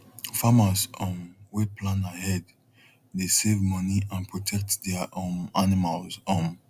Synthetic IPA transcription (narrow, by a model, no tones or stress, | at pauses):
famasõmwepʰlãnahɛd | desevmɔniãnpʰɹɔtʰɛk̚tdɛʔõnanimalzɔ̃m